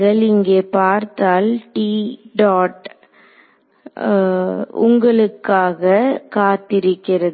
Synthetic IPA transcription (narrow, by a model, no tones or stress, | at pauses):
ɣɐɭɪŋɡeːpaːɾt̪aːlʈiɖaːʈ | ʊ̰ŋɡɐɭɯkːaːɣɐkaːt̪ɪɾɯkːɪrɐð